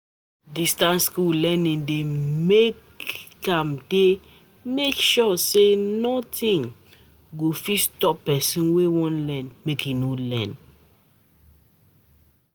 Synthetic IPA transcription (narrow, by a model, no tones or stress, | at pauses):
distãnskulɛnĩŋdemekː | ãmde | mekʃɔsenɔtĩŋ | ɡofistɔpɛsĩnwewɔ̃nlɛ̃nmekjinolɛ̰̃n